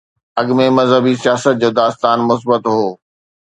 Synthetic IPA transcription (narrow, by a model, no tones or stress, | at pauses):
ɐɠmemɐzɦəbisijaːsət̪̚d͡ʑoːd̪aːst̪aːnmʊs̬bət̪ɦoː